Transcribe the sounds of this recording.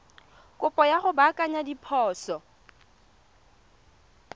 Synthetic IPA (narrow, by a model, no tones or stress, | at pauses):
kʼʊpʼɔjaχʊbakʼaɲadipʰɔːsɔ